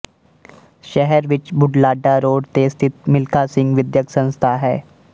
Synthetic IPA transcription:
ʃɛɦɛɾʋɪt͡ʃbʱʊɖlaːɖaɾoːɖt̪eːst̪ʰit̪mɪlkasɪ̃ŋɡʋɪd̪jəksə̃ñst̪ʰaɦɛː

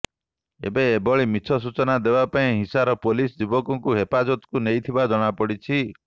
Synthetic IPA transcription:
ḛbeːbɔɭimit͡ʃʰɔs̬ut͡ʃɔnad̪ebapaĩɦisaɾɔpolisd͡ʒibɔkɔŋkuɦepad͡ʒɔt̪ɔ̥kunejt̪ʰibad͡ʒɔɽ̃apɔɽit͡ʃʰi

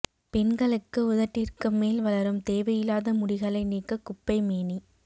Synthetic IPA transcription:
pɛnɡɐɭɯkːɯʊðɐʈːɪrkɯmːeːlʋɐlɐɾɯmt̪eːʋɐjɪlaːðɐmʊɽɪɣɐɭɐɪniːkːɐkʊpːɐɪmeːni

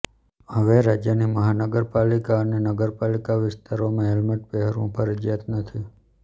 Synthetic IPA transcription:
ɦəʋeɾad͡ʒjəniməɦanəɡəɾpalikaənenəɡəɾpalikaʋɪst̪aɾomãɦelməʈ̚beɦəɾṵ̃pʰəɾəd͡ʒjat̪nət̪ʰi

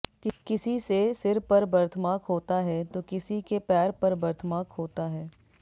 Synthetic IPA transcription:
kɪsisesɪɾpɐɾbɐɾt̪ʰəmaːkɦoːt̪aɦɛt̪oːkɪsikepɛːɾpɐɾbɐɾt̪ʰmaːkɦoːt̪aɦɛː

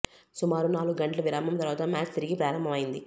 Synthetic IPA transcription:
sumaːɾunaːluɡɡɐɳʈlɐʋiɾaːmbʱɐmt̪ɐɾʋaːt̪ɐmaːt͡ʃt̪iɾiɡipɾaːɾɐmbʱɐmɐjind̪i

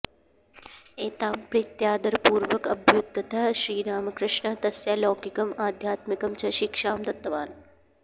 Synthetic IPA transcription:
eːt̪aːmpɾit̪jaːd̪ɐɾpuːɾʋɐkɐbʱjut̪ːɐt̪ɐʃɾiːɾaːmɐkɾɪʃɳɐt̪ɐsjaːloːkikɐmaːd̪ʱjaːt̪mikɐmt͡ʃʰɐʃikʂaːmd̪ɐt̪ːɐʋaːn

